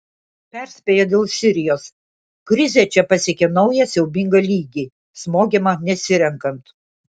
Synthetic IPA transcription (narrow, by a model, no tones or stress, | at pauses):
pʲæˑɾʲsʲpʲeːjɛd̪ʲeːlˠsʲɪɾʲɪjoːs | kɾʲɪzʲet͡ʃʲɛpɐsʲeɛkʲɛnɒʊjɛsʲɛʊbʲɪŋɡɐlʲiːɡʲiː | smoːkʲeːmɐnʲɛsʲɪɾʲɛŋkɐnt̪